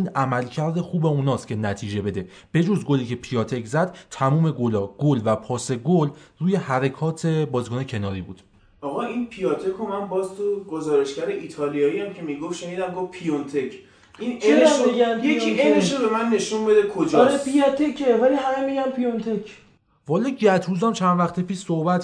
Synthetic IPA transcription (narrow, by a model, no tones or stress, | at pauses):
inʔæmælcʰæɾd̪e̞xuːbe̞unɒːst̪cʰe̞næt̪ʰiːd͡ʒe̞be̞d̪e̞ | b̥e̞d͡ʒozɡoliːcʰe̞pʰijɒːt̪ʰeczæd̪̥t̪ʰæmuːme̞ɡolɒːɡ̥olvæpʰɒːse̞ɡolruːje̞hæɾekʰɒːt̪ʰe̞bɒːzikonecʰe̞nɒːɾiːbṵːd̪̥ | ɒːɣɒʔinpʰijɒt̪ʰekʰomænbɒːzt̪ʰuɡozɒːɾe̞ʃcæɾeʔit̪ʰɒːlijɒːijæmcʰe̞miɡofʃe̞niːd̪æmɡofpʰijont̪ʰecʰ | ʔineeeɡænjeieneʃobe̞mænːe̞ʃunbed̪ekʰod͡ʒɒɒɾepijɒt̪ʰecʰevæliɦæmemiɟæmpʰijont̪ʰecʰ | vɒːleɟæt̪ʰuzæmt͡ʃʰænd̪væxt̪ʰepiːʃsohbæt̪